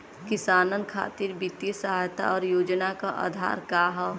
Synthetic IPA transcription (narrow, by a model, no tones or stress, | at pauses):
kɪsaːnənkʰa̰ːt̪ɪɾbɪt̪jəsəɦaːjt̪a̰ɔːɾjoːd͡ʒnakaʔa̰ːd̪ʱa̰ːɾkaːɦɔ